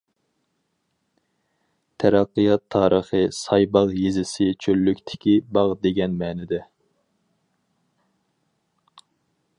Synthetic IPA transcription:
t̪ʰæɾɑqːɨjɑt̪ʰːɑːɾʔəχɨsɑjbɑʁjezɪsɪt͡ʃʰølːykʲt̪ʰɪ̥kʲibɑʁd̪eɡʲɛnmɛːnɪd̪ɛ

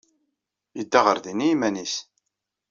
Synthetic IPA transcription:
jəd̪ːaʁəɾðiniimænis

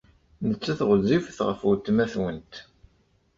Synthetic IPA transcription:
nət͡sːæθʁəzːifθʁə̰fut̪ːmæθwənt̪

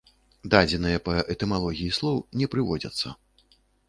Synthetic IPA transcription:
d̪ad͡zʲɛnɨjɐpɐʔɛt̪ɛmalˠɔɣʲijislˠɔwnʲɛpɾɨvɔd͡zʲɐ̰t̪sːɐ̰

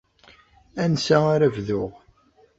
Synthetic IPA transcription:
ænsæaɾævðʊʁ

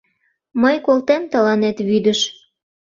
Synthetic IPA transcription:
məjkolt̪emt̪əlɑnet̪βyd̪əʃ

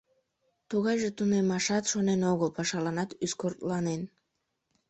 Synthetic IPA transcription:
t̪uɣɑjʒet̪unemɑʃɑt̪ʃonenoɣəlpɑʃɑlɑnɑt̪yskort̪lɑnen

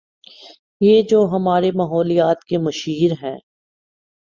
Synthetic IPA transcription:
jeːd͡ʒoːɦɐmaːɾemaːɦɔːlijaːt̪kemɐʃiːɾɦɛ̰̃ː

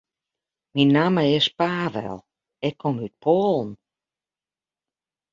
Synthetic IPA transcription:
minːaːməɪspaːʋɛ̰lˠ | ɛkʰːɔmyt̚pʰoːlˠn̩

